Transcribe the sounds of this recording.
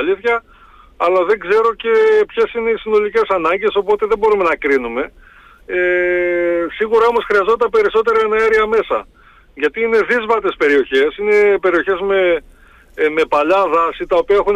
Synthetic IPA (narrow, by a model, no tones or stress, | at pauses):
liθçɐ | ɐlɐðe̞ŋɡze̞ɾo̞ce̞pçe̞sine̞isino̞lice̞sɐnɐɲɟe̞so̞po̞t̪eðebo̞ɾume̞nɐkɾinume̞ | e | siɣuɾɐo̞mo̞sxɾiɐzo̞nt̪ɐpe̞ɾiso̞t̪e̞ɾɐenɐeɾiɐme̞sɐ̰ | ʝɐt̪iine̞ðizvɐt̪e̞spe̞ɾio̞çe̞sine̞pe̞ɾio̞çe̞zme | me̞pɐʎɐðɐsit̪ɐopiɐe̞xun